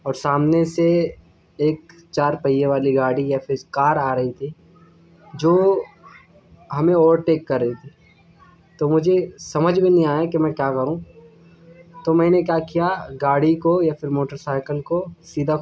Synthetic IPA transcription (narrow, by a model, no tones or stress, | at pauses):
ɔːɾsaːmnese | eːk̚ | t͡ʃaːɾpɐijeʋaːliɡaːɽijafʰɪɾkaːɾaːɾɐɦit̪ʰi | d͡ʒoː | ɦɐmẽɔːəɾʈeːkːɐɾːɐɦit̪ʰiː | t̪omʊd͡ʒʱesɐməd͡ʒʱmẽnɦĩaːjekemɛ̃ːkjaːkɐɾũ | t̪omɛ̃ːnek̬jaːkijaɡaːɽikojafʰɪɾmoːʈəɾsaːɪkəlkosiːd̪ʱa